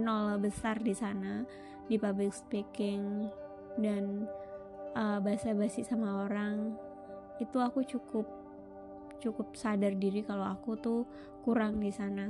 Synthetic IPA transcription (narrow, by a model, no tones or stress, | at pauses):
nolabəsardisana | dipablɪkspikɪŋ | dan | əbaɦasabasɪsamaoɾaŋ | it̪uakut͡ʃukʊp̚ | t͡ʃukʊp̚sadardiɾikaloakut̪u | kuɾaŋdisana